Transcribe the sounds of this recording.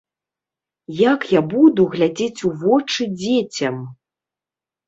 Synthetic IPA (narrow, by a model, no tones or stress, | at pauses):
jakjabud̪uɣlʲad͡zʲet͡sʲuvɔt͡ʂɨd͡zʲet͡sʲɐm